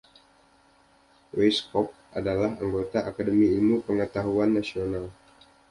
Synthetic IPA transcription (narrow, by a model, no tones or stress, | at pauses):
weskɔp̚adalaɦaŋɡot̪aʔakadəmiilmupəŋət̪aɦuanːasional